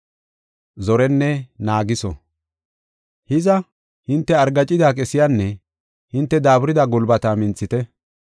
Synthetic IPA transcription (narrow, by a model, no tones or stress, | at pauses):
zɔɾɛnːɛnaːɡɪsɔ̰ | hɪzɐ | hɪnt̪ːɛɐɾɡɐt͡ʃʼːɪd̪aːkʼɛsɪjanːɛ | hɪnt̪ːɛd̪aːbʊɾɪd̪aɡɔlbɐt̪amɪnt͡sːɪt̪ɛ